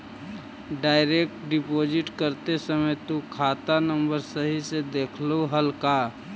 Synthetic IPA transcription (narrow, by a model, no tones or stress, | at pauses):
ɖaːɪɾek̚ʈɖɪpoːd͡ʒɪʈkəɾt̪esəməjt̪ukʰaːt̪anə̃mbəɾsəɦised̪eːkʰloɦəlka